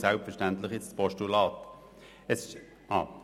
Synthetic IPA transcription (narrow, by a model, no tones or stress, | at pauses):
sælpfɛʃtænt̪lɪχɪspɔʃtulɑːt̪ | ɛsɪʃ | ɑ̰ː